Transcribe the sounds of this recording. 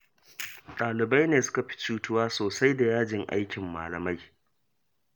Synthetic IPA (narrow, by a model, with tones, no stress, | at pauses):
tʼaː˨lɪ˨ba˦jneː˨sʊ̥˦ka˨ɸi̥˦t͡ʃuː˦tʊ˦waː˦soː˨sa˦jda˨jaː˦d͡ʒɪ˨ŋʔa̰˦jkʲɪ˨mːa̰ː˨lɐ˨ma˦j